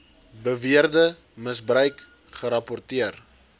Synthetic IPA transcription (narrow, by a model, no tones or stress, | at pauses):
bəviərdə | məsbrəɥk | χəɾɐpɔrtiər